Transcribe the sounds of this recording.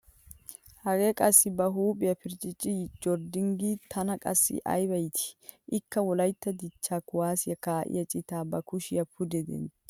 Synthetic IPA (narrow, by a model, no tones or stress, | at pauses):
hɐɡeːkʼɐsːɪbɐɦuːpʼɪjɐpɪɾt͡ʃʼɪt͡ʃʼɪd͡ʒɔɾd̪ɪŋɡiːt̪ʰɐnɐkʼɐ̰sːɪ̰ʔɐ̰jbɐjt̪ʰɪ̥ʔɪkːɐwɔlɐjt̪ːɐd̪ɪt͡ʃːaːkʊwaːsɪjɐkaːʔɪ̰jɐt͡ʃʼɪt̪aːbɐkʊʃɪjɐpʰʊd̪ɛd̪ɛ̰n